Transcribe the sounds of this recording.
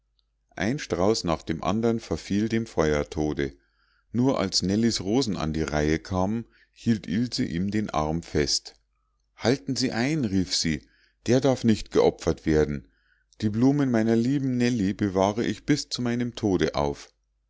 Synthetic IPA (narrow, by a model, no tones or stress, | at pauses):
ʔa̰ɪnʃtʁ̥aʊsnaːχd̥eːmʔa̰ndɐnfɛɐfiːldeːmfɔʏɐtʰoːdə | nuːɐʔa̰lsnɛlisʁoːzn̩a̰ndiːʁaɪəkʰaːm | hiːltʰʔɪlzəʔiːmdeːnʔa̰ɐmfɛst | haltn̩ziːʔaɪnʁiːfz̥iː | d̥eːɐdaɐfnɪçtɡ̥əʔɔpfɐtv̥eːɐdn̩ | d̥iːbluːmənmaɪnɐliːbm̩nɛlibəvaːʁəʔɪçb̥ɪst͡sumaɪnəmtʰoːɾəʔa̰ʊf